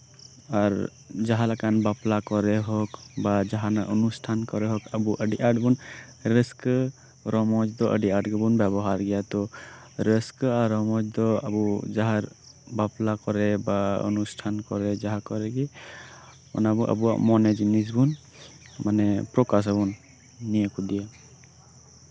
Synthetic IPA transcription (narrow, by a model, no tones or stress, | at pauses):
aɾ | d͡ʒaɦalakanbaplakɔɾɛɦɔkbad͡ʒaɦanaʔɔnusʈʰankɔɾɛɦɔkabuʔəɖiʔaɾʈbunɾesk | ɾɔmɔd͡ʒd̪ɔʔəɖiaɾʈɡəbunbɛbɔɦaɾɡɛjat̪ɔɾeskaɾɔmɔd͡ʒd̪ɔa̰bud͡ʒaɦaɾ | baplakɔɾɛbaɔ̰nusʈʰankɔɾɛd͡ʒaɦakɔɾɛɡi | ɔ̰nabuʔa̰buwa̰ʔmɔnɛd͡ʒinis̬bun | manɛpɾɔkas̬abɔnː | ijakud̪ija